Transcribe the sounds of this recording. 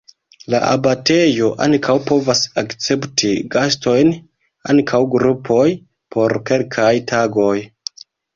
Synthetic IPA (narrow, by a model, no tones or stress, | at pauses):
la̰ʔa̰bate̞jo̞ʔaŋkʰawpo̞vasakt͡se̞ptʰiɡasto̞jn | a̰ŋkʰawɡɾupʰo̞j | pʰo̞ɾke̞lkʰajtʰaɡo̞j